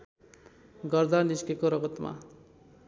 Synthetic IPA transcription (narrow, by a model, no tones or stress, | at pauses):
ɡʌrd̪aniskekoɾʌɡʌt̪ma̰